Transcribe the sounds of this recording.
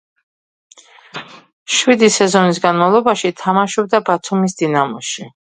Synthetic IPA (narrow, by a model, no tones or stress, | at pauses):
ʃwid̪isɛzɔnis̬ɡanmavlˠɔbaʃit̪ʰamaʃɔb̚d̪abat̪ʰumisd̪inamɔʃi